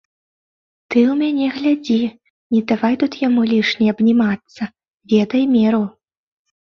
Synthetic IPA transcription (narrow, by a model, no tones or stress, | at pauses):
t̪ɨwmʲanʲɛɣlʲad͡zʲi | nʲɛd̪avajt̪ut̪jamulʲiʂnʲiɐbnʲimat̪sːɐ | vʲɛd̪ɐjmʲɛɾu